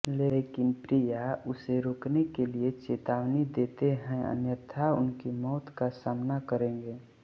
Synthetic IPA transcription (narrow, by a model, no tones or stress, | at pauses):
leːkɪnpɾijaʊseɾoːknekeliet͡ʃeːt̪aːwnid̪eːt̪eɦɛ̃ə̰njət̪ʰaʊ̰nkimɔːt̪kasaːmnakəɾẽːŋɡeː